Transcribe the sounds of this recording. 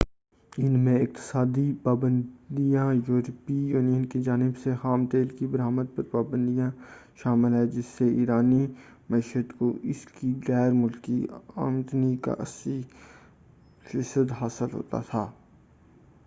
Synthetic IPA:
ɪnmẽɪq̚t̪ɪ̥saːd̪ipaːbə̃nd̪ijãjuːɾpijuːnijənked͡ʒaːnɪbsexaːmt̪eːlkibɐɾaːməd̪̚pɐɾpaːbə̃nd̪ijãʃaːmɪlɦɛd͡ʒɪsːeiːɾaːni | mɐiʃəd̪koʔɪskiɣɛːɾmʊlkːia̰ːmt̪nika̰ʔɐsi | fɪsəd̪ɦaːsəlɦo̰ːt̪a̰t̪ʰaː

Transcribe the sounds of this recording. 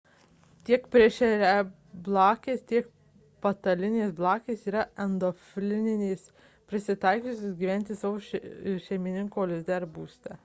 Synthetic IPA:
t̪ʲiɛkpʲɾʲɪʃʲɛɾʲɛ | blˠɑːkʲeːst̪ʲiɛk | pɐt̪ɐlʲɪnʲeːsblˠɑːkʲeːsiːɾɐɛnd̪ofʲlʲɪnʲɪnʲeːs | pʲɾʲɪsʲɪt̪ɐɪkʲuːsʲosɡʲiːʋʲænʲt̪ʲɪsɑʋoːʃʲɛɪmʲɪnʲɪŋkoːlʲɪzʲd̪ʲɛɾbuːsʲt̪ʲɛ

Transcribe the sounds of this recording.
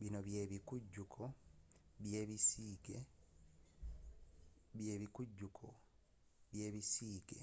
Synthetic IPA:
βinoβjeːβikuɟːukʰo | βjeːβisiɡe | βje̞ːβikuɟːukʰo | βje̞ːβisiːɡe

